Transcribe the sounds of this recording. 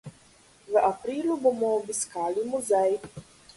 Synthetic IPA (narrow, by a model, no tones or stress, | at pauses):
ʋəʔapɾiːluboːmɔːbiskaːlimuzɛj